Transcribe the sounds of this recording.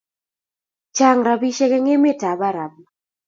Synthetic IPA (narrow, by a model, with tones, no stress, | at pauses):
t͡ʃa˦ŋɾa˨bi˦ʃɛ˦kɛ˦ŋe˦mɪ˦˨ta˨ba˦ɾa˨b